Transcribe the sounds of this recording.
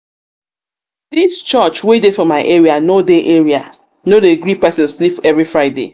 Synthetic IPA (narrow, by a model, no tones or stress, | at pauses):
dist͡ʃɔt͡ʃwedefɔmaɪʔeɹianodeʔeɹia̰ | nodeɡɹipɛsɪ̃nslipɛvɹifɹaɪdḛ